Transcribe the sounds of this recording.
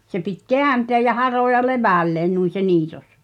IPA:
se pitʲ keænteæj̆ jɑ hɑroˑjɑ leʋæˑlːeːn nuin̞ se niːtos

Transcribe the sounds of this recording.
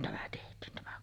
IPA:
tæmæ tehtˑiːn tæmæ

